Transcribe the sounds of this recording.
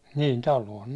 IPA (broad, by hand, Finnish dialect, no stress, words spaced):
niːn tɑluon